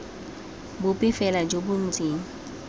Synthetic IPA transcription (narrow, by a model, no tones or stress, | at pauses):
bʊpʼɪfɛlad͡ʒobʊn̩t͡sʼeːŋ̩